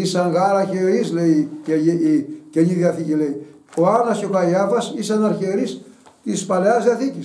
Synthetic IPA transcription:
isɐŋɣɐɾɐçeɾisleie | ceniðiɐθicilei | oɐnɐscokɐjɐfɐsisɐnɐɾçeɾist̪ispɐleɐzðiɐθicis

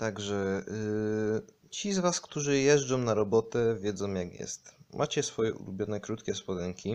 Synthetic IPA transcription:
t̪aɡʐɛ | t͡ɕizvaskt̪uʐɘjɛʐd͡ʐɔ̃w̃naɾɔbɔt̪ɛvʲjɛd̪zɔ̃w̃jakjɛ̰st̪mʔat͡ɕɛsfɔjɛʔṵlubʲjɔnɛkɾut̪kʲɛspɔd̪ɛŋkʲi

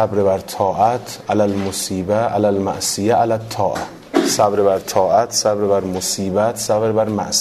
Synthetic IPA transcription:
æbɾebæɾt̪ʰɒːʔæt̪ʰʔælælmosiːbæʔæ̰lælmæ̰ʔsijæʔælæt̪ʰːɒːʔæ | sæbɾebæɾt̪ʰɒːʔæt̪ʰsæbɾebæɾmosiːbæt̪ʰsæbɾebæɾmæ̰ʔs

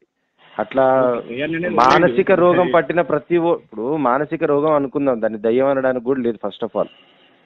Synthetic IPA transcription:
ɐʈlaː | maːnɐsikɐɾɔːɡɐmpɐʈːinɐpɾɐt̪ipːuɽumaːnɐsikɐɾɔːɡɐmɐnukund̪aːmd̪aːnːid̪ɐjːɐmɐnɐɽaːnikɡuːɽleːd̪upʰɐsʈɔpʰa̰ːl

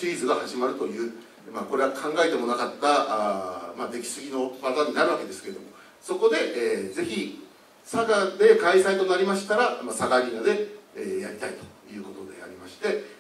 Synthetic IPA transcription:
iːzɨɡahaʑimaɾɯ̟t̪o̞jɯ̟ː | maːko̞ɾe̞akʰãŋɡae̞t̪e̞mo̞nakat̪ːa | mad̪e̞kʲi̥sɨɡʲino̞bazaɲ̟ːinaɾɯ̟βake̞d̪e̞sɨ̥ke̞ɾd̪o̞mo̞ | so̞ko̞d̪e̞ʔːze̞çi | saɡad̪e̞kaisait̪o̞naɾʲimaɕi̥t̪aɾamasaɡaɡʲinad̪e̞jaɾʲit̪ait̪o̞̥jɯ̟ːko̞t̪o̞d̪e̞̰a̰ɾʲimaɕi̥t̪e̞

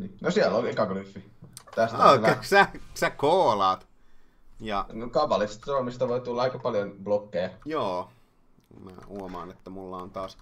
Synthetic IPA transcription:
ninosiælːolekɑɡlyfːi | t̪æst̪olsæsækoːlɑːt̪ | jɑnokɑpɑlist̪sormist̪ɑʋoit̪ulːɑɑikɑpɑljonb̥lokːejɑjoː | mæ̰ːhuomɑːnet̪ːæmulːɑont̪ɑːs

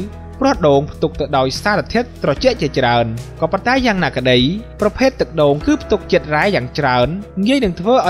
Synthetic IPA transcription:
prʊ̆əhɗoːŋpʰt̪uk̚t̪ɨwɗaɔjsaːɾat̪ʰiət̪̚ːrɑt͡ɕɛ̆əʔt͡ɕiət͡ɕraənkɑːpont̪aɛjaːŋnaːkə̆ɗəjprɑpʰeːt̪ːɨk̚ɗoːŋkɨːpʰt̪uk̚t͡ɕət̪̚raɛjaːŋt͡ɕraənŋiəjnɨŋt̪ʰʋəːʔaɔ

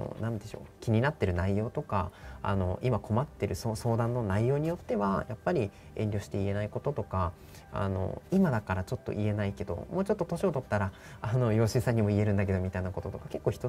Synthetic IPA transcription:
o̰nãnd̪e̞ɕo̞̰ːkʲiɲ̟inat̪ːe̞ɾɯ̟naijo̞ːt̪o̞kaa̰no̞ʔimako̞mat̪ːe̞ɾɯ̟soso̞ːd̪ãnːo̞naijo̞ːɲ̟ijo̞t̪ːe̞βajapːaɾʲi | ẽ̞ɲʲɾʲo̞ːɕi̥t̪e̞ie̞naiko̞t̪o̞t̪o̞ka | a̰no̞̰imad̪akaɾat͡ɕo̞t̪ːoʔie̞naike̞d̪o̞̰moːt͡ɕo̞t̪ːo̞t̪o̞ɕiot̪o̞t̪ːaɾa | ano̞jo̞ːɕɨːsãɲ̟ːimo̞ie̞ɾɯ̟̃nd̪ak̬e̞d̪o̞mʲit̪ainako̞t̪o̞t̪o̞kake̞kːo̞ːçi̥t̪o

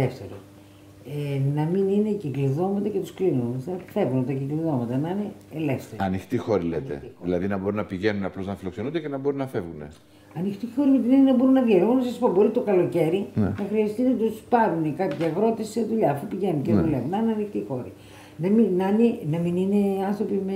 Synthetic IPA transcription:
eft̪eɾo | enɐminine̞cikliðo̞mɐt̪ɐcet̪usklinunθɐfe̞vunot̪ɐcikliðo̞mɐt̪ɐnɐineːleft̪eɾɐnixt̪ixo̞ɾilḛt̪e̞̰iðilɐðinɐbo̞ɾunːɐpiʝe̞nunɐplo̞znɐfilo̞kse̞nund̪ecenɐbo̞ɾunɐfe̞vɣunḛ | ɐnixt̪ixo̞ɾimet̪inenenɐbo̞ɾunːɐðʝenounɐsɐsi̥po̞bo̞ɾit̪o̞kɐlo̞ce̞ɾinnɐxɾiɐst̪inɐt̪uspɐɾunekɐpçiɐɣɾo̞t̪esi̥seðuʎɐːfupiʝe̞nunceðulevunɐneɐnixt̪ixo̞ɾi | nɐminɐnenɐminine̞ɐnθɾo̞pime

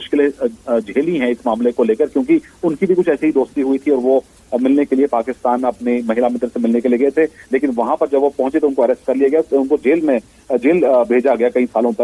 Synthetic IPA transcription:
mʊʃkɪled͡ʒeːlĩɦɛ̃ɪsmaːmlekoleːkɐɾkjõːkiʊnkibʱikʊt͡ʃʰɛːseɦid̪oːst̪iɦʊit̪ʰiɔːɾʋo | mɪlnekeliepaːkɪst̪aːnɐpnemɐɦɪlamɪ̃nt̪ɾsemɪlnekelieɡɐet̪ʰeleːkɪnʋɐɦãpɐɾd͡ʒɐbʋopɐ̃ɦʊ̃ɲt͡ʃet̪oʊnkoɐɾɛst̚kɐɾliaɡɐjaʊnkod͡ʒeːlmẽ | d͡ʒeːlbʱeːd͡ʒaɡɐjakɐĩsaːlõpɐɾ

